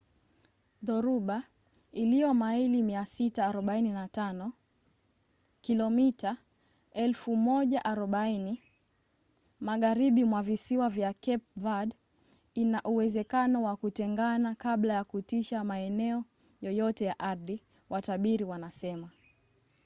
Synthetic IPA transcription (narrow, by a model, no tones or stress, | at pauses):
ðɔɾuɓa | ilijɔmailimiasitaːɾɔɓaininatanɔ | kilɔmita | ɛlfumɔʄaʔaɾɔɓaini | maɠaɾiɓimwavisiwavjakɛp̚vad | inaʔuwɛzɛkanɔwakutɛŋɡanakaɓlajakutiʃamaɛnɛɔ | jɔjɔtɛjaʔaɾði | wataɓiɾiwanasɛma